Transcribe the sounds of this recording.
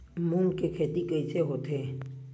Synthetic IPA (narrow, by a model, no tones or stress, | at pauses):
muːnkekʰeːt̪ikəɪseɦoːt̪eː